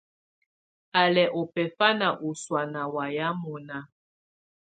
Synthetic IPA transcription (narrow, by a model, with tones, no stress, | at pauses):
a˨lɛ˨ʔɔ˨pɛ˨fa˦na˨ʔo˨swa˨na˨wa˨ja˦mɔ˨na˨